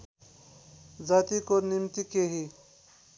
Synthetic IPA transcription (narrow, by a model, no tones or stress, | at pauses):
zaːt̪ikonimt̪ikeɦi